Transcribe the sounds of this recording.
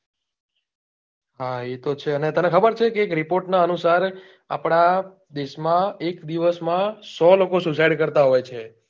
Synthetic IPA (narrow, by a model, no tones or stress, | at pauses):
ɦaet̪ot͡ʃʰeənet̪ənekʰəbəɾt͡ʃʰekeːkɾipoɾʈnaənusaɾ | a̰pɽ̃a | d̪eʃmãekd̪iʋəsmãsɔlokosusajɖkəɾt̪aɦojt͡ʃʰe